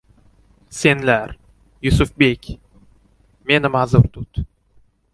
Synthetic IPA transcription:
se̞nlæɾ | jʊsʊfbekʲ | me̞nɪmazʊɾt̪ʰʊt̪

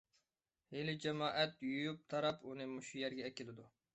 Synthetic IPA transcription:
helɪd͡ʒɛmɑːʔɛt̪jujup̚t̪ʰɑɾɑpunɨmʊʃujɛɾɡʲɛːkʲɪlɪd̪u

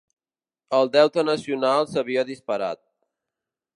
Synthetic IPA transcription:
əlˠd̪ɛwt̪ənəsiunalˠsəβiəðispəɾa̰t̪̚

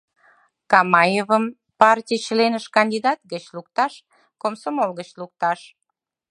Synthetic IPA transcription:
kɑmɑjevəm | pɑrtʲijt͡ɕəlenəʃkɑnʲdʲid̪ɑt̪̚ɡət͡ɕluk̚t̪ɑʃ | komsomolɣət͡ɕluk̚t̪ɑʃ

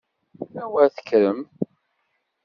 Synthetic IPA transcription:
æwæɾθə̥kːɾəm

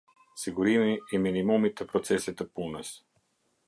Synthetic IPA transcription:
siɡʊɾimiiminimumit̪ɛpɾot̪sɛsit̪əpunɛs

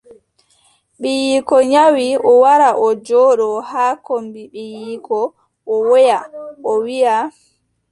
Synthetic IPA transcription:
ɓijikɔɲawiɔwaɾaʔɔd͡ʒɔːɗɔhaːkombiɓijikɔ | ʔɔwɔjaɔwija

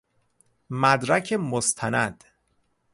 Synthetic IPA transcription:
mæd̪ɾæcʰemost̪ʰænæd̪̥

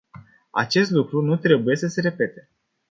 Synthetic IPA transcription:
a̰t͡ʃe̞st̪lukɾunut̪ɾe̞buje̞səse̞ɾe̞pe̞t̪e

